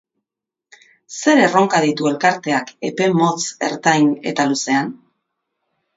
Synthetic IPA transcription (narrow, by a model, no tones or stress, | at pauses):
se̞ɾe̞ro̞ŋkaðit̪ue̞lkaɾt̪e̞ake̞pe̞mo̞t͡se̞̰ɾt̪ajne̞̰t̪aluse̞an